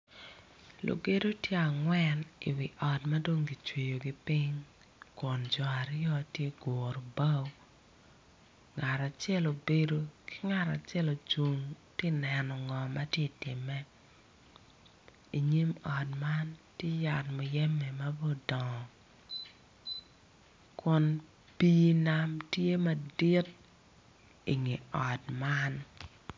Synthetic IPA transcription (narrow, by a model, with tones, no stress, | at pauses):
lo̰˨ɡe˦do˦tje˦a˨ŋwɛ˦nḭ˨wɪ˨ʔɔ˨tma˦do˦ŋɡi˨t͡ʃwe˨jo˨ɡi˦pi˦ɲ | ko˨nd͡ʒa˨ɾjɔ˦tje˦ɡo˨ɾo˨ba˦w | ŋa˨ɾa˨t͡ʃɛ˦lo˨be˦do˦kɪ̥˦ŋa˨ɾa̰˨t͡ʃɛ˦lo˨t͡ʃu˨ŋtje˦nɛ˨nɔ˨ŋɔ˨ma˦tje˦tɪ˨mɛ˦ | i˨ɲi˦mɔ˨dma˦ntje˦ja˨tmɔ˨jɛ˦mɛ˨ma˦bo˦dɔ˨ŋɔ˨ | kʊ˦n | pi˦na˦mtje˦ma˦dɪ˦t | i˨ŋe˨ɔ˨dma˦n